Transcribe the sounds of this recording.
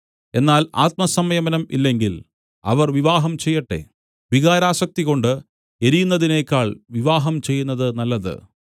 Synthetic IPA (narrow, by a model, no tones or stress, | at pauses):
e̞nːaːla̰ːt̪̚mɐsɐmɐjɐmɐnɐmḭlːe̞ŋɡil | ɐ̰ʋɐrʋiʋaːɦɐmt͡ɕe̞jːɐʈːe̞̰ | ʋiɣaːɾaːɕɐk̚t̪iɣo̞ɳɖɨ | eɾijunːɐðine̞ːkʲːaːɭʋiʋaːɦɐmt͡ɕe̞jːunːɐðɨnɐlːɐðɨ̰